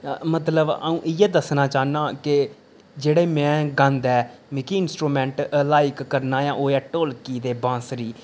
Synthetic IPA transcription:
mət̪ləbə̰ũːʔɪjɛːd̪əsnaːt͡ʃaːnaːkɪ | d͡ʒeːɽeːmɛ̃ːɡə̃nd̪ɛːmɪkiːɪnsʈɾuːmɛ̃ːɳʈlaːɪkːəɾnaːjãːʔoːɛːʈoːlkiːd̪eːbãːsɾiː

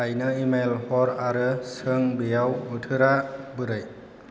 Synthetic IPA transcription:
ajnɯimelhɔɾaɾɯsɯŋbijawɯtʰɯɾabɯɾɯj

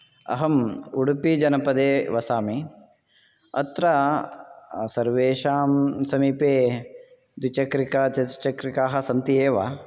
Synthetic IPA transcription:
ɐ̰ɦɐmuɽupid͡ʒɐnɐpɐd̪eːʋɐsaːmi | ɐ̰t̪ɾɐ | sɐɾʋeːʃaːmsɐmiːpeː | d̪wit͡ʃɐkɾikɐt͡ʃɐt͡ʃɐkɾikaːɦɐ̆sɐnt̪ieːʋa̰

